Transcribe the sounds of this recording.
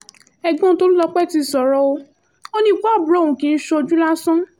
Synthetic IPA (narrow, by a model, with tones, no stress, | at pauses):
ɛ˧ɡ͡bɔ̃˦to˦ɾi˦lɔ˧k͡pɛ˦˨ti˧˦˨sɔ˨ɾɔ˦o˧ | o˦nĩ˦ku˦a˦˨bu˨ɾo˦˨ũ˨kĩ˨˦˧n̩˦ʃo˧d͡ʒu˦la˦sɔ̃˦